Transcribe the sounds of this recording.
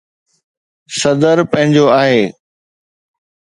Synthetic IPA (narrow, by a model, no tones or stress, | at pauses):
sɐd̪əɾpɐ̃ɦɪ̃ɲd͡ʑoaːɦeː